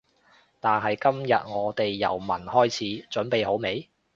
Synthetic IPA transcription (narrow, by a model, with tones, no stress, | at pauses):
t̪aː˨nɦɐ˨jkɐ˥mjɐ˨t̚ŋɔː˨˧t̪e˨jːɐ̰˨˩wmɐ˨˩nhɔː˥jt͡sʰiː˨˥t͡ʃɵ˨˥npe˨jɦo˨˥wme˨˧j